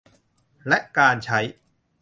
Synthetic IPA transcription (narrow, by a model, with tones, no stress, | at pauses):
lɛ˦˥ʔkaː˧nt͡ɕʰa˦˥j